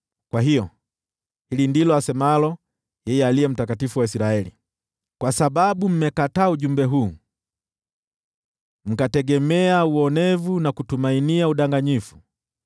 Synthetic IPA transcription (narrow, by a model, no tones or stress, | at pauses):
kwaɦijɔ | hilindilɔasɛmaalɔ | jɛjɛalijɛm̩takatifuwaisiɾaɛlḭ | kwasaɓaɓum̩mɛkataːuʄumbɛɦuː | m̩katɛɡɛmɛauɔnɛvunakutumainiauɗaŋɡaɲifu̥